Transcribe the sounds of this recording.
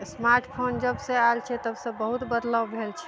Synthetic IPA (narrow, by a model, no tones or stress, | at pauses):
smaɾʈpʰond͡ʒəbsẽalt͡ʃʰɛt̪əbsə̃bəɦut̪bəd̪ləwbʱelt͡ʃʰɛ̥